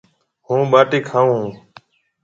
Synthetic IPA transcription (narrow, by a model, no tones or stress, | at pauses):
hũːɓaːʈiːkʰaːũː